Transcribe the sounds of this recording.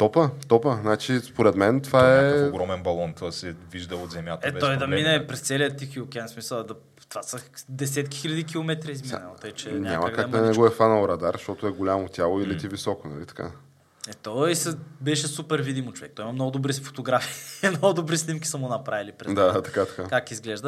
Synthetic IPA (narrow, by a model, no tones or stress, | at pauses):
t̪ɔpət̪ɔpənat͡ʃispoɾɛt̪mɛnt̪ovaɛɡɾɔmɛnbɐlˠɔnt̪ɔsɛviʒd̪əot̪zɛmjat̪ɛɔjd̪ɐminɛpɾɛst̪sɛlijət̪ixiokʲɛnsmisəlˠd̪ɐ | t̪vasəd̪ɛsɛt̪kʲi̥xilʲɐd̪ikʲilˠomɛt̪ɾiizminɛlˠɔjt͡ʃɛɲʲa̰mɐkakmd̪ɐnɛɡoɛfanɐoɾɐd̪aɾʃt̪ɔt̪ʊɛɡolʲamot̪ʲjalˠoilit̪ivisɔkonɐ̰lit̪ɐ̥ka̰ | ɛt̪ɔisəbɛʃɛsupɛɾvid̪imot͡ʃovɛ̰k̚t̪ɔimɐmnɔɡʊd̪obɾifo̥t̪oɡɾafi̥ːmnoɡʊd̪obɾisnʲimkʲisəmʊnɐpɾavilipɾɛd̪aat̪ɐkat̪ɐ̥kakakizɡlɛʒd̪ə